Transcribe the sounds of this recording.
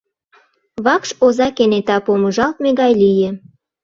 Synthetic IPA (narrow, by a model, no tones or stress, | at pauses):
βɑkʃozɑkenet̪ɑpoməʒɑlt̪meɣɑjlijĕ